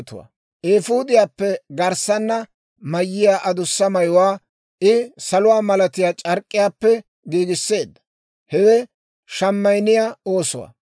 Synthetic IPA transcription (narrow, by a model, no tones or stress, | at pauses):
t̪ʊwa̰ː | ʔeːfuːd̪ɪjaːpːɛɡɐɾsɐnːɐ | mɐjːɪjaːʔɐd̪ʊsːɐmɐjwaː | ʔɪsɐlʊwaːmɐlɐt̪ɪjaːt͡ʃʼɐɾkʼːɪjaːpːɛ | ɡiːɡɪsːe̞ːd̪ːɐ | hɛwɛ | ʃɐmːɐjnɪjaːo̞ːsɔwa̰ː